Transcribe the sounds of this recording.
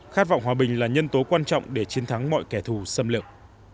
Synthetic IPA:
xa˦˥t̚vɔ̰˧˨wŋ͡mɦwaː˨˩ɓï˨˩ŋ̟laː˨˩ɲə˧nt̪o˨˦kwaː˧nt͡ɕɔ̰˧˨wŋ͡mɗe˧˩t͡ɕi˨˦ənt̪ʰa˨˦ŋmɔ̰˧˨jkɛ˧˩t̪ʰu˨˩sə˧mlɨ˨˩ək̚

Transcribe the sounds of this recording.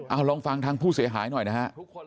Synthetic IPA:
ʔaː˧˩wɾɔː˧ŋfa˧ŋt̪ʰaː˧ŋpʰuː˥˩si˨˩˦ɐɦaː˩˦jnɔ˨˩jna˦˥ha˦˥ʔk

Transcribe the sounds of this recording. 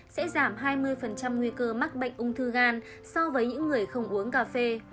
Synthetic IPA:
sɛ̰˧˥zaː˧˩mɦaː˧jmɨ˧əjfə˨˩nt͡ɕa˧mŋwi˧kəː˧ma˦˥t̚ɓə̰˧˨ŋ̟ʔʊ˧ŋ͡mt̪ʰɨ˧ɣaː˧n | sɔ˧vəː˨˦jɲɨ̰˧˥ŋːɨ˨˩əjxə˧wŋ͡mʔu˨˦əŋkaː˧fe˧

